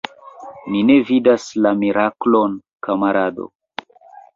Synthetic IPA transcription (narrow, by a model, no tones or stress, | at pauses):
nine̞vidaslamiɾʔaklon | kamaɾado̰